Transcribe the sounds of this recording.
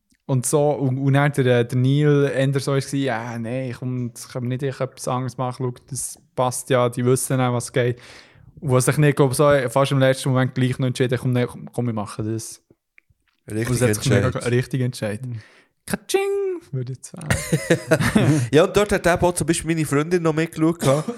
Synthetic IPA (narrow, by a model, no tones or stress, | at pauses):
ʊntsoːʔuunæːɾdəɾɛːd̥əniːlɛndəɾsɔɪsksiːjaneɪɪχʊmsχɑmənɪdɪːχœpːi̥sɑŋəsmɑχəlukd̥əspɑstjɑːd̥iʋʏsənæʋɑsɡ̥ɛɪt | uʋɑsɪχnɪɡ̥loʊbsofɑʃɪmlɛt͡ʃtəmɔmɛnt̚ɡ̥liːχnɔɛntt͡ʃɪdəχʊmnɛχʊmɪmɑχədəs | ʊəsɛsɪχmeɡɾɪχt̪iɡɛnt͡ʃɛɪt | kʰat͡ʃɪŋʋʏɾdɪt͡sa̰ | jɑːʊnt̚d̥ɔɾthɛt̚dæbɔt͡sʊmbiːʃpilminifɾʏndɪnːɔmɪkluəkkʰɑː